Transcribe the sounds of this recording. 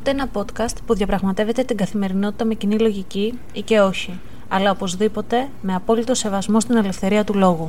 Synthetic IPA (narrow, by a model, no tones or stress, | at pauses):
t̪eenɐpo̞t̪kɐst̪puðʝɐpɾɐɣmɐt̪e̞ve̞t̪e̞t̪iŋɡɐθime̞ɾino̞t̪i̥t̪ɐme̞cinilo̞ʝici | ice̞o̞çi | ɐlɐopo̞zðipo̞t̪e̞ | me̞ɐpo̞lit̪o̞se̞vɐzmo̞st̪ine̞le̞fθe̞ɾiɐt̪ulo̞ɣu